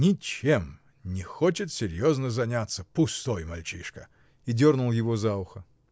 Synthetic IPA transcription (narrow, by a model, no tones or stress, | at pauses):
nʲɪt͡ɕem | nʲɪxot͡ɕɪt̪sʲɪɾʲjoznəzɐnʲat̪sːəpʊst̪ojmɐlʲt͡ɕiʂkə | idʲo̞rnʊlˠjɪvozaʊxə